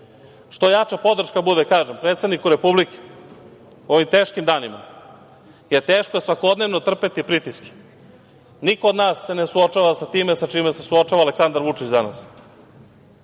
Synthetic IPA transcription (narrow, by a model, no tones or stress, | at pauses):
ʃt̪o̞jat͡ʃapo̞d̪r̩ʃkabud̪ekaːʒempɾet̪sed̪nikuɾe̞publike̥ | o̞ʋimt̪eːʃkimd̪aːnima̰ | jet̪eːʃkojesʋako̞d̪ne̞ʋnot̪r̩pe̞t̪ipɾit̪iske̥ | nikood̪naːsːe̞nesuot͡ʃaʋasat̪iːmesat͡ʃiːmesesuo̞t͡ʃaʋaːleksand̪aɾʋut͡ʃit͡ɕd̪ana̰s